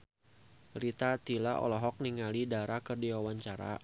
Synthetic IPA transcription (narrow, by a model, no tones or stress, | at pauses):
ɾit̪at̪ilaʔɔ̰lɔɦɔk̚niŋalidaɾakərdiwawaɲt͡ʃaɾa̰